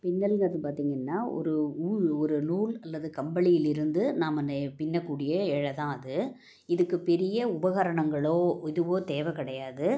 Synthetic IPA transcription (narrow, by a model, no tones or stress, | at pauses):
pɪnːɐlŋɐðɯpaːɾt̪iːŋɡɐnːaːɔ̰ɾɯuːɻɔɾɯnuːlɐlːɐðɯkɐmbɐɭɪjɪlɪɾɯnd̪ɯnaːmɐnpɪnːɐkːuːɽɪjɐɛɻɐt̪ãːɐðɯ | ɪðɯkːɯpɛɾɪjɐʊbɐɣaːɾɐɳɐŋɡɐɭoːɪðɯʋoːt̪eːʋɐkɪɽɐjaːðɯ